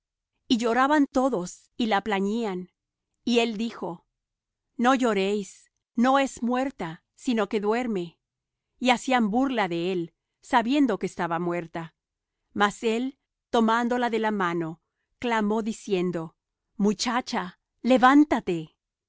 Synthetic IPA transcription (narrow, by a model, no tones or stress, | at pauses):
iʝo̞ɾaβant̪o̞ðo̞s | ilaplaɲian | ie̞ld̪ixo̞ | no̞ʝo̞ɾejs | no̞e̞zmwe̞ɾt̪a | sino̞ke̞ðwe̞ɾme̞ | iasiambuɾlaðe̞el | saβje̞nd̪o̞keːst̪aβamwe̞ɾt̪a | mase̞l | t̪o̞mand̪o̞laðe̞lamano̞ | klamo̞ðisje̞nd̪o̞ | mut͡ʃat͡ʃa | le̞βant̪at̪e